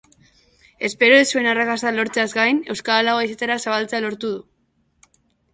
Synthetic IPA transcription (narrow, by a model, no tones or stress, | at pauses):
e̞spe̞ɾoesue̞narakasalo̞ɾt͡se̞azɡajne̞wskaalaoaisat̪eɾasaβalt͡sealo̞ɾt̪uð̞u